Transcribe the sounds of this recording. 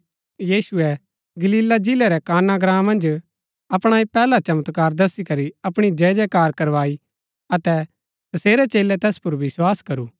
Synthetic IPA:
jiːsʊɛ | ɡɐliːlad͡ʒɪlɛɾɛkaːnaɡɾãːmːɐ̃nd͡ʒ | ɐpɽ̃aːipɛːlat͡ʃɐmət̪kaːɾd̪ɐsikɐɾiɐpɽ̃id͡ʒɛːd͡ʒɛkaːɾkɐɾʋaːi | ɐt̪ɛ | t̪ɐseːɾɛt͡ʃeːlɛt̪ɛːspʊɾʋɪswaːskɐɾuː

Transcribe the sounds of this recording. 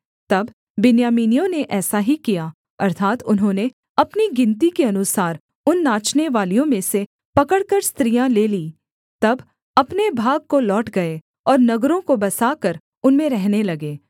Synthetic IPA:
t̪ɐbː | ɪnjaːmiːnijõneʔɛːsaɦikija | ɐɾt̪ʰaːt̪ʊnɦõːne | ɐpniɡɪ̃nt̪ikeɐnʊsaːɾ | ʊnːaːt͡ʃneʋaːlijõmẽse | pɐkəɽkəɾst̪ɾijãleːliː | t̪ɐb | ɐpnebʱaːɡ̚kolɔːʈɡɐe | ɔːɾnɐɡɾõkobɐsaːkɐɾ | ʊnmẽɾɛɦnelɐɡeː

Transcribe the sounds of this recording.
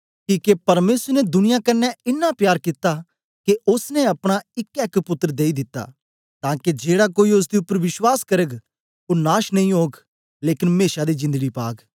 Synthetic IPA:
kiːkepɐɾmeːsəɾned̪ʊnɪjakɐnːɛɪnːapjaːɾkɪt̪ːa | keʔʊsneɐpɽ̃aɪkɛːkpʊt̪ːəɾd̪eːid̪ɪt̪ːa̰ | t̪ãːked͡ʒeːɽakoːiʊs̬d̪iʊpːəɾʋɪʃwaːskɐɾəɡ | onaːʃnɐĩɦoːɡ | leːkɪnmeːʃad̪id͡ʒɪ̃nd̪əɡipa̰ːɡ

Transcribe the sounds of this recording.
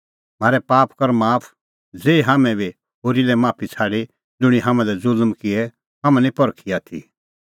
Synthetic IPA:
maːɾɛpaːpkɐɾmaːpʰ | d͡zeːiɦaːmɛ̃bi | ɦoːɾilɛmaːpʰit͡sʰaːɽi | d͡zʊɽ̃iɦãmãlɛzʊlmkɪɛ | ɦãmãnĩpɔɾkʰiaːt̪ʰḭ

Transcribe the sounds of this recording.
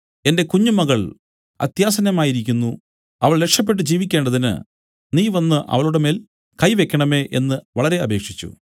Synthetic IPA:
e̞nde̞kuɲːumɐɣɐɭ | ɐ̰t̪jaːsɐnɐmaːjiɾikʲːunːu | ɐʋɐɭlekʂɐp̬ːe̞ʈ̬ːɨd͡ʑiːʋikʲːe̞ːɳɖɐðinɨ̰ | niːʋɐnːɨʔɐ̰ʋɐɭuɽemeːl | kɐjʋe̞kʲːɐɳɐme̞ːʔe̞̰nːɨʋɐɭɐɾe̞ɐbe̞ːkʂit͡ɕːṵ

